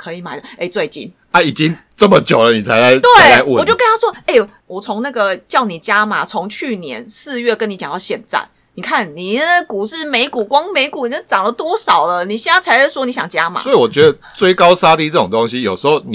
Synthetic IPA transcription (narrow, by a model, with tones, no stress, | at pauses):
kʰɤ˧˦˥i˨˩ma˨ɪd̪ə˧e˥˩ɪt͡swe˥˧ɪt͡ɕḭ˥˩n | a˦i˨˩t͡ɕi˦˥ŋ | t͡sə˥˩mə˨t͡ɕjo˨˩ʊlə˦ni˨˩t͡sʰa˧˦la˥ɪt̪we˥˩ɪa˨˦ɪwt͡ɕo˥˩ʊkə˥na˥ʂwɔ˦˥e˥˩ɪ | wɔ˨˩t͡sʰʊ˧˦˥ŋna˥˩ɡə˨˩t͡ɕjɑ˥˩ʊni˨˩t͡ɕja˥ma˨˩t͡sʰo˧˦ŋt͡ɕʰy˥˩njɛ̰˧˦nsɹ̩˥˧ɥɛ˥˩kə˧˦ni˧˥t͡ɕjɑ˨ŋt̪ɑ˥˧ʊɕjɛ˥˧nt͡sa̰˥˩n | ni˨˩kʰa˥˩nni˨˩ə˥ku˨˩ʂɻ̩˥˩me˧˥ɪku˨˩kwɑ˥ŋme˧˥ɪku˨˩ni˨˩ə˥˩t͡sɑ˨˩ŋlə˦t̪wɔ˥ʂɑ˨˩ʊlə˦ni˨˩ɕɛ˥˧na˥˩t͡sʰa˧˥ɪa˥swɔ˥ni˧˥ɕjɑ˨˩ŋt͡ɕja˦ma̰˨sɔ˦˥i˨wɔ˨˩t͡ɕɥɛ˧˦d̪ə˧st͡swe˥˩ɪkɑ˦ʊsa˥t̪i˥˧t͡sə˥˩o˨˩ŋt̪o˦ŋɕi˦jo˨˩ʊʂɻ̩˧˥ho˥˨˩ʊni˨